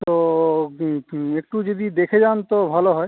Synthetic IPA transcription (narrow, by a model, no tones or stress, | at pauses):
t̪o | ek̚ʈud͡ʒod̪id̪ekʰed͡ʒant̪obʱaloɦɔe